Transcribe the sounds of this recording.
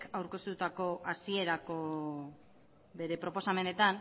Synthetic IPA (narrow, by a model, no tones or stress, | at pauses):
kawɾke̞st̪ut̪ako̞ʔasie̞ɾako̞ | be̞ɾe̞pɾo̞po̞same̞ne̞t̪an